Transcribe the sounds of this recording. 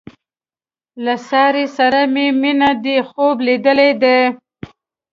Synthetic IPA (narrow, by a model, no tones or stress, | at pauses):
lasɑɾesaɾameminad̪exoblid̪əled̪e